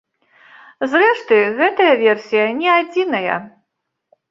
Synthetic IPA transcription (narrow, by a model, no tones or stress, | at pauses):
zrɛʂt̪ɨɣɛt̪ɐjɐvʲɛrsʲijɐnʲɛad͡zʲinɐjɐ̰